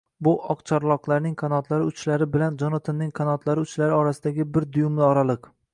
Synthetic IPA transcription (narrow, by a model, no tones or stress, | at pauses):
bʊʔɒqt͡ʃʰaɾlˠɒqlˠaɾnɪŋqʰanɒt̪laɾɪʊt͡ʃʰlaɾɪbɪland͡ʒɒnɒt̪ʰɪnːɪŋqʰanɒt̪laɾɪʊt͡ʃlaɾɪɒɾasɪd̪aɡʲɪbɪɾd̪ʊjʊmlɪɒɾalˠɨq